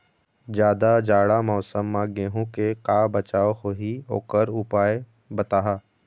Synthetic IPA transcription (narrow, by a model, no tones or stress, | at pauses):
d͡ʒjaːd̪ad͡ʒaːɽamɔːsəmːãɡeːɦũkekaːbət͡ʃaːohoːɦio̰ːkəɾʊpaːe | bɐt̪aːɦaː